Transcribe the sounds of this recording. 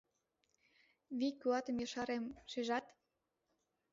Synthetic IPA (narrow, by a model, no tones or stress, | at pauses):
βikyɑt̪ə̆mjɤ̆ʃɑɾemʃeʒɑt̪